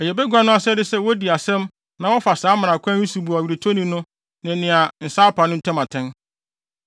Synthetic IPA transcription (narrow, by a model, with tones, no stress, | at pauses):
ɛ˨jɛ˨bɛ˦ɡʷa˦nʊ̃˦a˦sɛ˦dɪ˦sɛ˦wɔ˦di˨a˨sɛ̃˦m | nã˨wɔ˦fa˨saː˨˦mã˨nã˨kʷʰã˦ĩ˦su˨bu˨a˨ɥi˨ɾe˨tʰo˦nĩ˨nʊ̃˦ | nɪ̃˨nɪ̃˨a˨n̩˨saː˦pʰa˨nʊ̃˦n̩˦tʰɛ̃˦mã˨tʰɛ̃˦n